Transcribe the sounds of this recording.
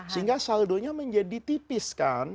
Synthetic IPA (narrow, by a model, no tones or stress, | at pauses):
səɦiŋɡasaldoɲaməɲd͡ʒadit̪ipɪskan